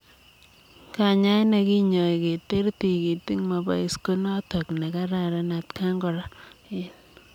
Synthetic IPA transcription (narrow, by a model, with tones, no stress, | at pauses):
ka˨ɲa˦na˨ki˦ɲo˨i˨ke˨te˦ɾti˨ki˨ti˦ŋma˨ba̰˨ɪ˨˦sko˦nɔ˦tɔ˨kna˨ka˦ɾa˨ɾa˦na˨tka˦ŋɡɔ˨ɾa˦ɪ˨n